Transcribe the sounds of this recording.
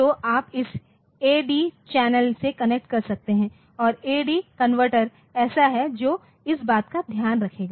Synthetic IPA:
oːʔaːpɪs | eːɖiːt͡ʃɛːnəlsekɐnek̚ʈ̚kɐɾsɐk̚t̪eɦɛ̃ | ɔːɾeːɖikɐnʋəɾʈəɾ | ɛːsaɦɛd͡ʒoː | ɪsbaːt̪kad̪ʱjaːnɾɐkʰeːɡaː

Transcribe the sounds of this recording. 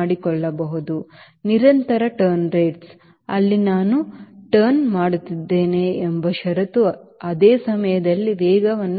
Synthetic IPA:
ɽikɔɭːɐbɐɦud̪u | niɾɐnt̪ɐɾɐʈɐɾnɾeːʈs | ɐlːinaːnuʈɐɾnmaːɽut̪ːid̪ːe̞ːneːmbɐʃɐɾɐt̪uɐd̪eːsɐmɐjɐd̪ɐlːiʋɛːɡɐʋɐnː

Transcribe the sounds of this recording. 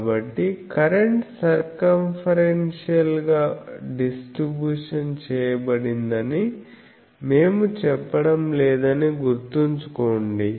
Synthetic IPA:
bɐʈːikɐɾeɳʈsɐɾkɐmfʰɐɾenʂijɐlɡaːɖisʈɾibjuːʂɐnt͡ʃɛːjɐbɐɽind̪ɐni | me̞ːmut͡ʃɛpːɐɽɐmlɛːd̪ɐniɡuɾt̪uɲt͡ʃukoːɳɖi

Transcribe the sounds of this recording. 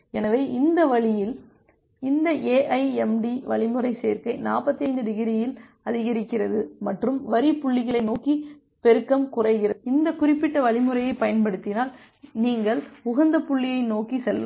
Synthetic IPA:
ɛnɐʋeːʔɪnd̪ɐʋɐɭɪjɪl | ɪnd̪ɐʔeːʔɐɪɛmɖiʋɐɭɪmɯɾɐɪseːɾkɐɪnaːpɐt̪ːiɐɪnd̪ɯd̪ɪɣɪɾɪjɪl | ɐðɪɣɐɾɪkːɪrɐðɯmɐʈrɯmʋɐɾipːʊɭːɪɣɐɭɐɪnoːki | pɛɾɯkːɐmkʊrɐɪɣɪrɐɪnd̪ɐkʊrɪpːɪʈːɐʋɐɭɪmɯɾɐjɐɪpːɐjɐnpɐɽɯt̪ːɪnaːl | niːŋɡɐɭʊɣɐnd̪ɐpːʊɭːɪjɐɪnoːkisɛlʋɐ

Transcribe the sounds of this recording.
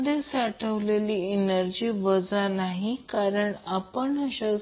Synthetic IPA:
d̪esaʈʰəʋleliːnəɾd͡ʑiːʋəd͡zanaɦikaɾəɳapəɳəɕa

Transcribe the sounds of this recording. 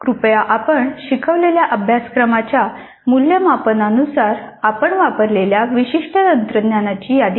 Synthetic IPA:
kɾupjaʔapəɳɕikʰəʋleljaʔəbʱjaskɾəmat͡ɕja | muljəmapənanusaɾ | apəɳʋapəɾleljaʋiɕiʂʈət̪ənt̪ɾəd̪njanat͡ɕiːjad̪

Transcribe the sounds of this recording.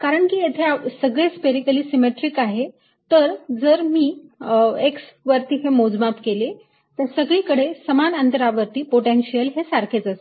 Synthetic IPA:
kaɾəɳkiːjet̪ʰeasəɡɭespeɾikəliːsimeʈɾikaɦe | t̪əɾd͡zəɾmiː | eksʋəɾt̪iːɦemod͡zmapkele | t̪əɾsəɡɭiːkəɽesəmanənt̪əɾaʋəɾt̪iːpoʈenɕijəlɦesaɾkʰet͡səse̥

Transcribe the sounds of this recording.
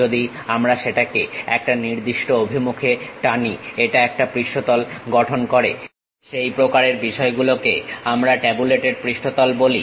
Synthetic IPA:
od̪iamɾaʃeʈakeɛ̰k̚ʈaniɾd̪iʃʈoobʱimukʰeʈanieʈaɛk̚ʈapɾiʃʈot̪ɔlɡɔʈʰonkoɾḛ | ʃejpɾokaɾeɾbiʃɔeɡulokeamɾaʈɛbuleʈeɖ̚pɾiʃʈot̪ɔlboli

